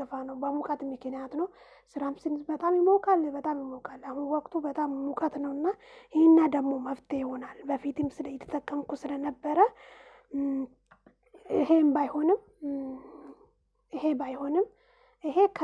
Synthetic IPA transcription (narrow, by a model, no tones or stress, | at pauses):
əfanəwbəmukʼət̪mɨknijat̪nəw | sɨɾamsɨnzbət̪ʼamjɪməwkʼalbət̪ʼamjɪməwkʼalːahunwɔkʼt̪ʰubət̪ʼamːukʼət̪nəwɨnːahenːad̪əɡmo̞məft̪ʰʼejɪho̞nalbəfit̪ʰɨmsɨləjɪt̪ʰːə̥t̪ʰʼəkʼːəmkusɨlənəbːəɾə | ɨɦe̞mbajho̞nɨm | ʔɨhe̞bajho̞nɨm | ʔɨɦe̞kʰ